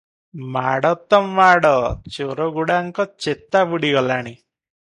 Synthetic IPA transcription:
maːɽɐt̪ːɐmʋaːɽɐt͡ʃeɾoɡuɽaŋkɐt͡ʃet̪ːaʋuɽiɡɐlːani

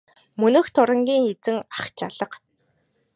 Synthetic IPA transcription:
mɵnɵ̆xt̪ʰʊɾə̆ŋɡʲiːŋet͡sɘ̆ŋaχt͡ɕaɮə̆q

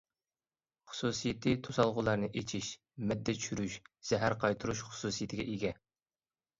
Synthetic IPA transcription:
χʊ̥susɨjit̪ʰɨt̪ʰosɑlˠʁʊlˠɑɾnɨʔet͡ʃʰiʃ | mɛd̪ːɛt͡ʃʰy̥ʃyɾyʃz̥ɛɦæɾqʰɑjt̪ʰuɾuʃχʊ̥suːsijit̪ʰɪɡʲɛʔeɡʲɛ

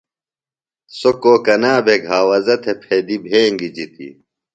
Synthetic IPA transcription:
sokoːkɐnaːbʱeɡʱaːwɐzɐt̪ʰepʰeːd̪ibʱeːŋɡid͡ʑit̪ḭ

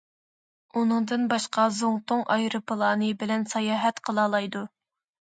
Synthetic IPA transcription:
unɨŋd̪ɨnbɑʃqɑzoŋt̪oŋʔɑjɾɨpəlˠɑːnɨbɪlɛnsɑjɑːɦɛt̪qʰəlˠɑːlˠɑjd̪u

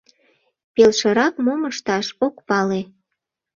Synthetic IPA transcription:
pelʃəɾɑkmoməʃt̪ɑʃokpɑle

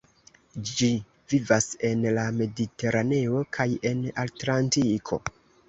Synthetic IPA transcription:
d͡ʒi | vivase̞nlame̞dite̞ɾʔane̞o̞kʰaje̞natlantikʰo̞̰

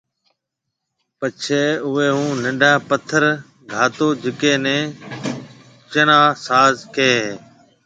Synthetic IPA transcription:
pət͡ʃʰeːʊeːɦũːnəɖʱãːpət̪ʰəɾ | ɡʱaːt̪oːd͡ʒɪkẽːnẽː | t͡ʃəɽãːsaːzkeː

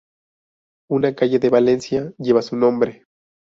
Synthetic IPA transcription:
unakaʝeðeβale̞nsjaʝeβasunõ̞mbɾe

